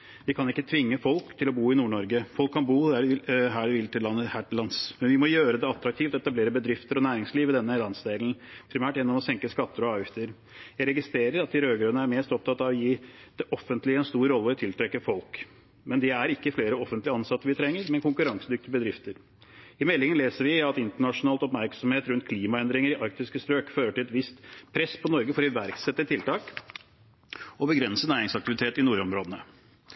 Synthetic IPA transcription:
ʋɪkʰɑnɪkːət̪ʰʋɪŋːəfɔlkt̪ʰɪlɔbuːɪnuːɳɔɾɡəfɔlkʰːɑnbuːd̪æɖɪɦæːɖɛʋɪlt̪ʰɪlːɑnːəhæʈlɑnsmɛnʋɪmɔjøːɾəd̪ɛɑt̪ɾɑk̚t̪ʰiːft̪ɔɛt̪ɑbleːɾəbəd̪ɾɪft̪əɾɔnæːɾɪŋsliːʋəd̪ɛnːəlɑnsd̪eːlənpʰɾɪmæːʈjɛnːɔmɔsɛŋkəskɑt̪ːəɾɔɑːʋjɪft̪əɾ | jæɪɾɛɡɪst̪ɾeːɾəɾɑt̪ɪɾøːɡɾʉnəæɾmeːst̪ɔp̚t̪ʰɑt̪ːɑʋɔjiːd̪̥ɛʔɔfənt̪lɪəɛnst̪uːɾːɔlːəɔt̪ʰɪlt̪ʰɾɛkːəfɔlk | mɛnd̪ɪæɾɪkːəfleːɾəɔfənt̪lɪɑnsɑt̪ːəɾʋɪt̪ʰɾɛŋːəɾmɛnkʊŋkʉɾɑŋsəd̪ʏk̚t̪ɪbəd̪ɾɪft̪əɾ | ɪmɛlːɪŋənleːsəɾʋɪɑt̪ɪnt̪əɳɑʂʊnɑːlt̪ɔpmæɾksɔmheːt̪ɾʉnt̪̚kʰliːmɑɛnd̪ɾɪŋəɾɪʔɑɾk̚t̪ɪskəsp̪ɾøːkføːɾəʈɪlɛt̪ʋɪst̪pʰɾɛspʰɔnɔɾɡəfɔɾɪʋæɾksɛt̪ːət̪ʰɪlt̪ɑːk | ɔbəɡɾɛnsənæːɾɪŋsɑk̚t̪ɪʋɪt̪ʰeːt̪ɪnuːɾɔmɾoːd̪ənə

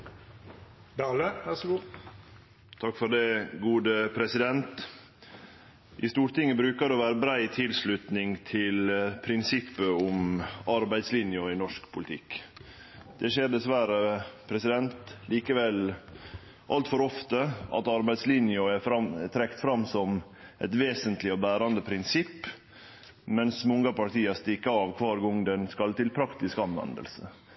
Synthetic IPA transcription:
d̪ɑːləʋæs | t̪ʰɑkːfɔɾɖ̪ɛɡuːd̪əpʰɾɛsɪd̪ɛnt̪ | ʔɪst̪uːɾʈ̪ɪŋːəbɾʉːkəd̪ɛʋæːɾəbɾæɪt̪ʰɪlslʉt̪nɪŋt̪ʰɪlpʰɾɪnsɪpːəʊmɑɾbæɪd̪slɪnjɔɪnɔʂkpʰʊlɪt̪ʰɪkː | d̪̥ɛʃeːɾɖ̪ɛsʋæɾəpʰɾɛsɪd̪ɛnt̪liːkəʋɛl | ʔɑlt̪fɔɾɔft̪əʔɑ̰t̪ɑɾbæɪd̪slɪnjʊɛɑt̪ʰɾɛkt̪fɾɑmːsɔm | ʔɛ̰t̪ʋeːsənt̪lɪɔbæːɾɑnd̪əpʰɾɪnsɪpː | mɛnsmɔŋɡɑpɑʈʰiːɑst̪ɪkːəɑːʋkʰʋɑːɾɡɔŋd̪ɛnskɑlt̪ɪlpʰɾɑkt̪ɪskɑnʋɛ̰nd̪ə̰lsə

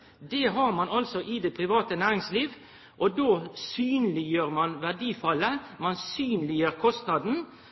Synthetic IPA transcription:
d̪eɦɑɾmɑnɑlsɔʔɪd̪eːpʰɾɪʋɑːt̪ənæːɾɪŋsliːʋ | ʔɔd̪oːsyːnlɪjøːɾmɑnʋæɖiːfɑlːəmɑnsyːnlɪjøːɾkʰɔst̪nɑd̪n̩

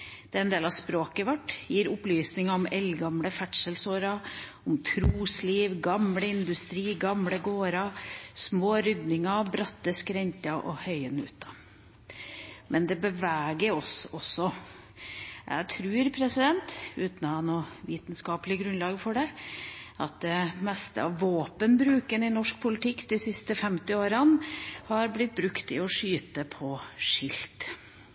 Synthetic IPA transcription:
d̪̥ɛːɾɛɪneːlɑspɾoːkəʋæʈːjiːɾʊplyːsnɪŋɑɔmɛlɡɑmɽəfæʈʂəlsoːɾɑ | ɔmt̪ʰɾuːsliːʋɡɑmɽəɪnd̪ʉst̪ɾiːɡɑmɽəɡoːɾɑsmoːɾʏd̪nɪŋɑbɾɑt̪ːəskɾɛɲt̪ɑʔɔ̰hœʏənʉ̰ːt̪ɑ | mʔɛnd̪ɛbəʋæːɡəɾɔsɔsːɔ | jæ̰t̪ʰɾʉːɾpʰɾɛsɪd̪ɛnt̪ʉːt̪n̩ɔhɑnuːʋiːt̪n̩skɑːplɪɡɾʉnlɑːɡfɔɖɛ | ʔɑ̰t̪̚d̪ɛmɛst̪ə̰ɑ̰ʋːoːpənbɾʉːkənɪnɔʂk̚pʰʊlɪt̪ʰɪkːd̪ɪsɪst̪əfɛmt̪ɪoːɾənhɑɾblɪt̪̚bɾʉkt̪ɪ̰ɔʂyːt̪əpʰɔʂɪlt̪

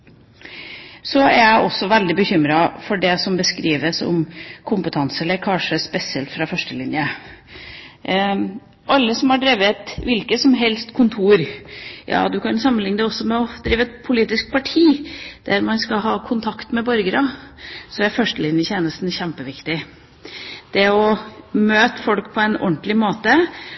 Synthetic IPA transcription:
sɔæɾjæɪʔɔsːɔʋæld̪ɪbəçʏmɾɑfɔɖɛsɔmbəskɾiːʋəsɔ̰mkʰʊmpət̪ʰɑnsəɛləɾkʰɑnʂəspɛsɪɛlt̪fɾɑfœʂʈəlɪnjə | ʔɑlːəsɔmhɑɖɾɛːʋəɛt̪ʋɪlkəsɔmɦɛlst̪kʰʊnt̪ʰuːɾjʔɑ̰ːd̪ʉkʰɑnsɑmːənlɪŋːnəd̪ɛɔsːɔmɛɔd̪̥ɾiːʋəɛt̪̚pʰʊliːt̪ɪsk̚pʰɑʈʰiːd̪̥æɾmɑnskɑɦɑːkʰʊnt̪ʰɑkt̪mɛbœɾɡəɾɑsɔæɾfœʂʈəlɪnjəçjeːnəst̪n̩çæmpəʋɪkt̪ɪ | d̪̥ɛɔmøːt̪əfɔlkpʰɔɛnɔ̰nt̪lɪmoːt̪ə

